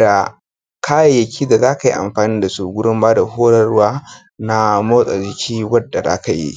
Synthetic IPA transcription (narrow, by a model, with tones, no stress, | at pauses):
da˨ | kʰaː˦ja˨jɐ˨kʲʰiː˦da˨zaː˦ka˨ji˦ʔa̰˨mɸaː˨niː˦da˨su˦˨ɡʷʊ˦ɽʊ˦mbaː˦da˨ɦoː˦ɽɐ˦rwaː˦ | na˦moː˦sʼa˨d͡ʒɪ˦kʲʰiː˦wɐ˦dːa˨za̰ː˦ka˨jḭ˦ʔ